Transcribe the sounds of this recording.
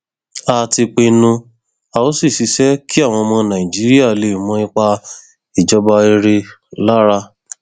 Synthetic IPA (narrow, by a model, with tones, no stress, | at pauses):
a˦˨ti˧k͡pe˧nũ˧ | a˨o˦si˦˨si˨˧sɛ˦ki˦a˦˨w̃ɔ̃˧mɔ̃˧nã˨ĩ˨d͡ʒi˨˦ɾi˦a˦˨le˨mɔ̃˧ĩ˧˦k͡pa˧ | i˨d͡ʒɔ˧ba˧e˧ɾe˧la˦ɾa˧˦